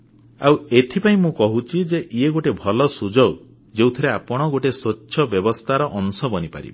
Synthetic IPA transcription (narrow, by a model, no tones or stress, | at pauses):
a̰wet̪ʰipaĩmũkɔɦut͡ʃʰid͡ʒeʔieɡoʈebʱɔlɔsud͡ʒɔw | d͡ʒewt̪ʰiɾeapɔɽ̃ɔɡoʈesot͡ʃːt͡ʃːʃʰɔbjɔbɔst̪ʰaɾɔʔɔnsɔbɔnipa̰ɾḭbe